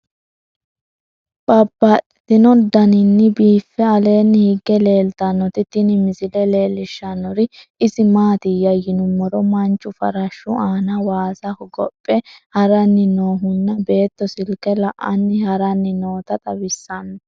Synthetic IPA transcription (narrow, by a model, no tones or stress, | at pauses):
bʼɐbːɐtɪt̪ɪnɔd̪ɐnɪnːɪbiːfːɛɐle̞ːnːɪhɪɡːɛle̞ːlt̪ɐnːɔt̪ɪt̪ɪnɪmɪzɪlɛle̞ːlːɪʃːɐnːɔɾɪʔɪzɪmaːt̪ɪjɐjɪnʊmːɔɾɔmɐnt͡ʃʼːʊfɐ̰ɾɐʃːʊʔaːnɐwaːsɐhʊɡɔpʼːɛhɐɾɐnːɪnoːɦʊnːɐbe̞ːt̪ːɔsɪlkɛlɐʔɐ̰nːɪhɐɾɐnːɪno̞ːt̪ɐt̪ʼɐbɪsːɐnː